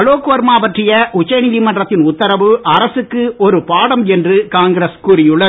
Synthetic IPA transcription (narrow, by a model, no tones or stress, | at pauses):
ɐɭoːkːoːɐɾmaːʋɐʈrɪjɐʔʊt͡ʃːɐjnɪlimɐndrɐt̪ːɪnʊt̪ːɐɾɐʋɯʔɐɾɐsɯkːɯɔɾɯpaːɽɐmɛndrɯkaːŋɡɪɾeskuːɾɪjɯɭːɐ